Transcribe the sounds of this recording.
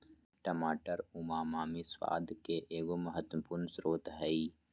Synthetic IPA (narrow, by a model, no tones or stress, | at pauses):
ʈəmaːʈəɾʊmaːmaːmiswa̰ːd̪ʱkeʔeːɡomɐɦət̪wəpuːɾnsɾoːt̪ɦəi